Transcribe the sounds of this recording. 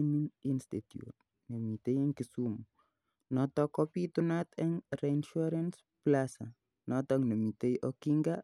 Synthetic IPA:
mininst̪it̪jṵt̪̚ | nemit̪ejɛŋkisumu | nɔt̪ɔkɔpit̪unat̪ɛŋɾeinʃuɾans | plasa | nɔt̪ɔŋnemit̪ejɔkiŋɡa

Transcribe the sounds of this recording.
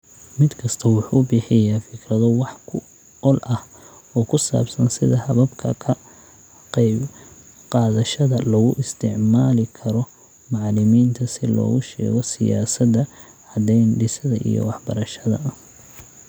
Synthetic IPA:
mɪd̪kʰɐst̪ʰɔwʊħuːbɪħɪjaːfɪkʰrɐðɔwɑħkʰʊ | ɔlʔɐh | ɔːkʰʊsa̰ːbsɐnsɪðɐhɐβɐbkʰɐ̰kʰɐ | qɛjb | qɑːðɐʃɐðɐlɔɣʊʔɪst̪ʰɪʕmaːlɪkʰɐɾɔ | mɑʕɑlɪmiːnt̪ʰɐsɪlɔ̰ːɣʊʃɛ̰ːɣɔsɪja̰ːsɐd̪ɐ | ʕɑd̪ɛjnɖɪsɐðɐʔḭjɔ̰wɑħbɐ̰ɾɐʃɐðɐ̰ɐh

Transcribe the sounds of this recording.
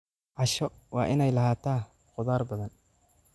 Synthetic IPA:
ʕɑʃɔ | wɑːʔɪnɛjlɐhaːt̪ʰaː | qʊðaːrbɐðɐn

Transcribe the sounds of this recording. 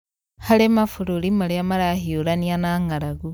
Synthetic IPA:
halemafuɾulimaleamaɾahiuɾanianaŋaɾaɡu

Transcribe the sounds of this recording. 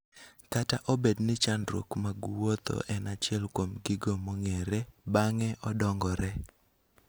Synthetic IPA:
kataʔɔbednɪt͡ʃandɾo̰kmaɡuwot̪o̰ʔɛnat͡ʃɪɛlkwomɡɪɡomoŋeɾebaŋɛʔɔdɔŋɡɔɾɛ

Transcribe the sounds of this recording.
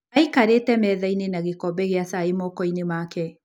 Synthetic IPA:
aikaɾetɛmɛðainenaɣekɔbɛɣeasaemɔkɔinemaːkɛ

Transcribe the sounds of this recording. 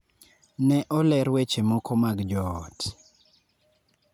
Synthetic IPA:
nɛʔɔlɛɾwet͡ʃemɔkɔmaɡd͡ʒɔt

